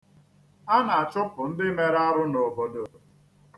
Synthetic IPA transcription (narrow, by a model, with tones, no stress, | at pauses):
a˦na˨a˨t͡ʃʊ˦pʊ˨n̩˦dɪ˦me˦ɾa˦ɾʊ˦no˨bo˨˦do˨